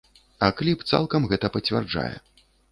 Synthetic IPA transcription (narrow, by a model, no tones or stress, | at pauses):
ɐklʲipt̪sa̰lˠkɐmɣɛt̪ɐpɐt͡sʲvʲa̰rd͡ʐa̰jɛ̰